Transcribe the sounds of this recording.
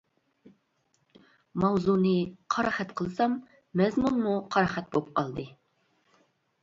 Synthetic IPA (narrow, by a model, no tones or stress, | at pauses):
mɑwzunɨqʰɑɾɑχɛt̪qʰəlˠsɑmː | ɛzmunmuqʰɑɾɑχɛt̪̚bop̚qʰɑlˠd̪ɨ